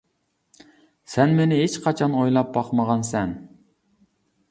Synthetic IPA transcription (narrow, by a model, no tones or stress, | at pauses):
sɛnmenɪɦet͡ʃqʰɑt͡ʃʰɑnojlˠɑp̚bɑqmɑʁɑnsɛn